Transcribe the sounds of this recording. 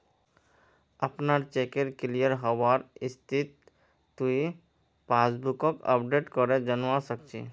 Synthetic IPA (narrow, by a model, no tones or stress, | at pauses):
apnaɾt͡ʃekeɾklijəɾɦɔaɾist̪ʰit̪ː | ui | pasbukɔkə̰pɖeʈkɔɾed͡ʑanasəkt͡ɕʰḭ